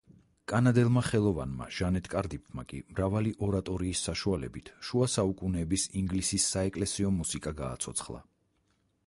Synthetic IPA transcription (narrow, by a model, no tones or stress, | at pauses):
kʼanad̪ɛlˠmaχɛlˠɔva̰nma̰ʒ̥anɛt̪ʰʼkʼaɾd̪ip̚t̪ʰmakʼḭmɾavaliʔɔɾat̪ʼɔɾiːsːaʃualɛ̰bit̪ʰʃuasaukʼunɛːbisiŋɡlisisːaɛkʼlɛsiɔmusikʼaɡa̰ːt̪sʰɔ̰t̪sʰχlˠa̰